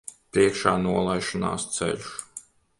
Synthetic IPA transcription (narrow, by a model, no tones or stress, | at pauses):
pɾiɛkʃaːnuɔlˠajʃina̰ːst̪sɛ̰ʎʲu̥s